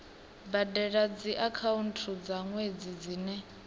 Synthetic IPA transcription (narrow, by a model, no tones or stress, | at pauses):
badɛɺad͡ziʔakʰauntʰud͡zaŋwed͡zid͡ziːnɛ